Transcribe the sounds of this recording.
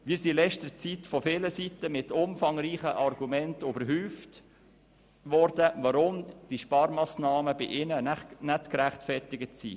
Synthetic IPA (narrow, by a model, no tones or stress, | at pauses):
miːɾsilɛʃtəɾt͡sitfɔfɪləsitəmɪtʊmfɑŋɾiːχəʔɑrɡumɛntybəɾɦyːft | ʋɔɾdəʋɑɾʊmd̥iʃpɑːɾmɑːsnɑːməbɪ̰ʔɪnənænætkɾæχtfɛtɪɡətsḭː